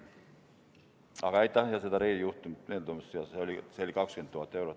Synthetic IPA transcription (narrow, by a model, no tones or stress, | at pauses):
ɑkɑit̪ːæiɑsiet̪æreːjjut̪ːumnelt̪omːossiɑseolʲiseolikɑkskynt̪t̪ːuhɑt̪ːeurot̪